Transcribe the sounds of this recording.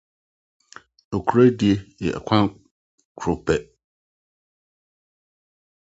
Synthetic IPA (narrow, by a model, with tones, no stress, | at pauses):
o˨kʰu˨ɾæ˦di˨e˨jɛ˨ʔa̰˨kʷʰã˦ | kʰo˨bɛ˨